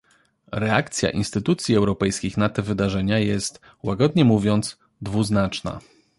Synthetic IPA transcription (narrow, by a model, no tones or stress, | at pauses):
ɾɛakt̪sʲja̰ʔḭnst̪ɘt̪ut̪sʲjiɛwɾɔpɛjskʲixnat̪ɛvɘd̪aʐɛɲajɛst̪ | waɡɔd̪ɲɛmuvʲjɔnt̪s | d̪vuznat͡ʂna̰